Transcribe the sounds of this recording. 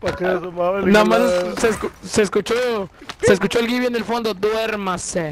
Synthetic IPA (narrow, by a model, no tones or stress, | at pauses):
pakesomanamansseskuseːskut͡ʃoses̬kut͡ʃo̞elɡiβjenelfo̞nd̪od̪we̞ɾmase